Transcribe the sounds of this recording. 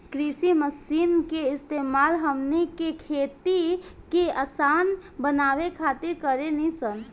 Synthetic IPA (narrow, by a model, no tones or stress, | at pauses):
kɾisiməsinkeɪst̪emalɦəmnikekʰet̪ikeəsanbənaʋekʰat̪iɾkəɾenisən